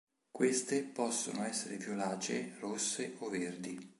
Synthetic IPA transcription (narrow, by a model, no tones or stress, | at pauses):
kwest̪epɔsːonoɛsːeɾevjolaːt͡ʃerosːeʔɔverd̪i